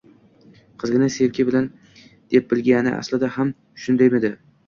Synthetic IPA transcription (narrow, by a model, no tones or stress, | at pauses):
qʰɨzɡʲɪnaselkʲʰɪbɪlan | d̪̥ep̚bɪlɡʲanɪ̰ʔa̰slɪd̪aham | ʃʊnd̪ajmed̪ɪ